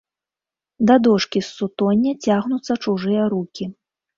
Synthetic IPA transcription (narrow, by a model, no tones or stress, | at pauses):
d̪ɐd̪ɔʂkʲisːut̪ɔnʲːɐt͡sʲaɣnut̪sːɐt͡ʂuʐɨjɐɾukʲi